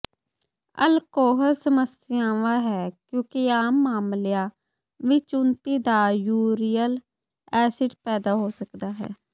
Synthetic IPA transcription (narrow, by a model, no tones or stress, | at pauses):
ə̰lkoːɦəɾsəməs | ɪjãːʋaːɦɛːkjõːkiaːmːaːmlɪjaː | ʋɪt͡ʃʊnt̪iːd̪aːjuːɾijəl | ɛːsɪɖpɛːd̪aːɦoːsəkd̪aːɦɛ̰ː